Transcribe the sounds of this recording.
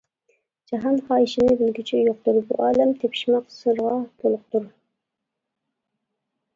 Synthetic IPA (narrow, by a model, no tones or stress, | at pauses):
d͡ʒɑɦɑnχɑːjiʃɪnɪbɪlɡʲit͡ʃʰijoq̚t̪uɾbṵʔɑːlæmt̪ʰepʰi̥ʃmɑqsɨɾʁɑt̪ʰolˠʊq̚t̪uɾ